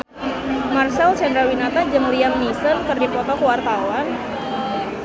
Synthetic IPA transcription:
marsalt͡ʃɛndɾawinat̪ad͡ʒəmliamnisənkɨrdipɔt̪ɔkəwart̪awan

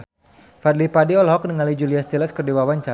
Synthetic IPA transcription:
fad̪lipadiɔlɦɔk̚nəŋalid͡ʒuliast̪ilɛskərdiwawaɲt͡ʃa

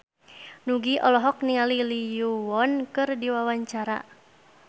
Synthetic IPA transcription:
nuɡiʔɔlɔɦɔk̚niŋalilijuwɔnkɨrdiwawaɲt͡ʃaɾa̰

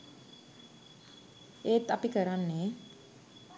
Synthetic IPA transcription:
eːt̪apikəɾanːeː

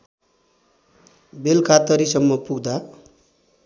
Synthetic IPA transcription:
belkʰat̪ʌɾisʌmːʌpuɡd̪a

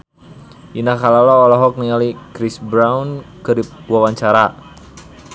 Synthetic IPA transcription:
ʔinakalalɔːlɔɦɔk̚niŋalikɾisbɾaunkəɾip̚wawaɲt͡ʃaɾa

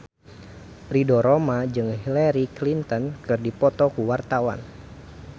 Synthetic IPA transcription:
ridɔɾɔmad͡ʒɨŋɦilɛɾiklint̪ɔnkɨrdipɔt̪ɔkuwart̪awa̰n

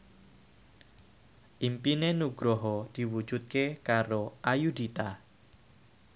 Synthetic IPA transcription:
ʔimpinenuɡ̥ɾoɦɔd̪̥i̤wu̥d͡ʒ̥ut̪̚kekaɾoʔajud̪it̪a

